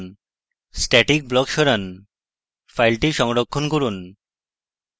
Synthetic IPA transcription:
n | sʈɛʈik̚blɔkʃɔɾan | fʰajlʈiʃɔŋɾokʰːonkoɾun

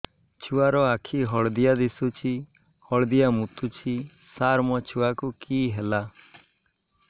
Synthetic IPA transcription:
t͡ʃʰuaɾɔakʰiɦɔɭd̪ijad̪isut͡ʃʰi | hɔɭd̪ijamut̪ut͡ʃʰi | saɾmɔt͡ʃʰuwakukiɦela

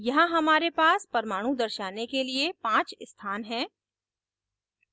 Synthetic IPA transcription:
jɐɦãɦɐmaːɾepaːspɐɾmaːɽ̃ũd̪ɐɾʃaːnekeliepãːt͡ʃst̪ʰaːnɦɛ̃ː

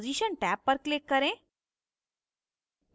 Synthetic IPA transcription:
d͡ziʃənʈɛpːəɾklɪkːəɾẽ

